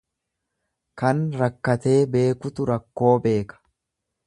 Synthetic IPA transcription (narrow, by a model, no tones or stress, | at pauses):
kɐnɾɐkːɐt̪e̞ːbe̞ːkʊt̪ʊɾɐkːo̞ːbe̞ːkɐ̥